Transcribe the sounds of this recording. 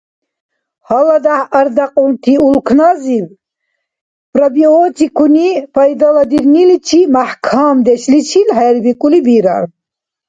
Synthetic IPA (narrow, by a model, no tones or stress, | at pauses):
halad̪ahəɾd̪aqʼɔlt̪ʰiulkʰnaziv | pɾabiɔːt̪ʰikʰunipʰajd̪alad̪iɾnilit͡ʃʰimaħkʰaːmd̪ɛʃlit͡ʃʰilhɛɾbikʼulibiɾa̰ɾ